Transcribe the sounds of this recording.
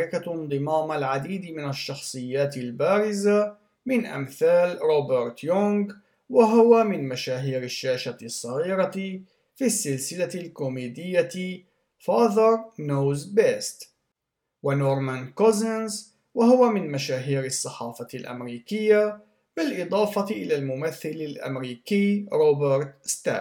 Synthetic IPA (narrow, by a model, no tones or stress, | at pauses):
ɾɪkand̪ˤɨmaːmalʕad̪iːd̪mɪnaʃːɑxsˤɨjːaːt̪ɪlbaːɾɪza | mɪnʔa̰mθaːlɾˤoːbɪɾt̪jʊŋɡ | waɦʊwamɪnmaʃaːɦiːɾɪʃːaːʃasˤːɑɣiːɾɑ | fisːɪlsɪlalkʊmeːd̪ɪjːa | fɑːðəɾnoːzbest̪ | wanoːɾˤmankozanz | wahʊwamɪnmaʃaːɦiːɾɑsˤːɑħɑːfɑlʔa̰mɾiːkɪjːa | bɪlʔɨd̪ˤɑːfɑt̪ʔɪlaːlmʊmaθːɪlɪlʔa̰mɾiːkiːɾoːbɪɾˤt̪st̪a̰ː